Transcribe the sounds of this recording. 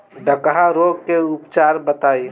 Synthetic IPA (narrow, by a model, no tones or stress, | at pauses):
ɖəkɦaɾoɡ̚keʊpt͡ʃaɾbət̪ai